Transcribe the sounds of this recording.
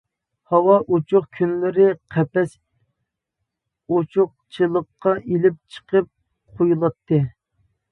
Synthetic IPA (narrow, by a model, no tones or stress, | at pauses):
hɑwɑʔot͡ʃʰʊχkʲʰynlɪɾɪqʰɛpɛs | ot͡ʃʰʊq̚t͡ʃʰɨlˠəqːɑʔelɪp̚t͡ʃʰə̥qʰəp̚ | qʰojulˠɑt̪ʰːɨ